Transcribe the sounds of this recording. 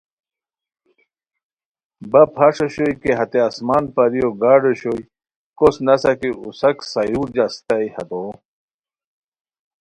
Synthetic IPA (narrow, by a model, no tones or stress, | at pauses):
bɐpʰaʂɐɕojkeɦɐt̪easmaːnpɐɾijoɡaːɖeɕoj | kosnɐsɐkiusɐksɐjuːɾd͡ʑɐst̪aihɐ̰t̪o